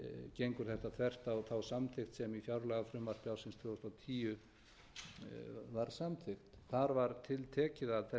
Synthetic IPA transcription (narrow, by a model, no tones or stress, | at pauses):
cejŋkʏɾ̥θɛht̪aθʰvɛr̥t̪awθawsamθʰɪxt̪sɛmifjawɾlaɣafɾʏmvar̥t̪awsɪnst̪fʏɔst̪awt̪ʰiːjʏ | vaɾ̥samt̪ʰɪxt̪θaɾvaɾt̪ʰɪlt̪ʰɛːcɪðaðθɛ